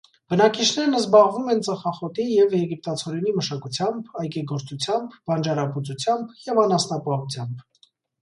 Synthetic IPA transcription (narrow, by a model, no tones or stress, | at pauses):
b̥ənɑkit͡ʃʰnɛɾnəzbɑʁvumɛnt͡sɑχɑχɔt̪ijɛvjɛɡip̚t̪ɑt͡sʰɔɾɛniməʃɑkut͡sʰjɑmbɑjkɛɡɔɾt͡sut͡sʰjɑmbvɑnd͡ʒɑɾɑput͡sut͡sʰjɑmbjɛvɑnɑst̪ɑpɑɦut͡sʰjɑmb